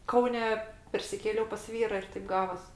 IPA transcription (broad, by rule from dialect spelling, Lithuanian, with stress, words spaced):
ˈkɐʊnʲɛ pʲɛrʲsʲɪˈkʲeːlʲɛʊ pɐs ˈʋʲiːrɐ ɪr tɐɪp ˈɡɑːʋɐs